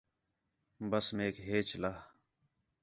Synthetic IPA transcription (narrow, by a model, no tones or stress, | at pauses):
bəsmeːkɦeːt͡ʃlaː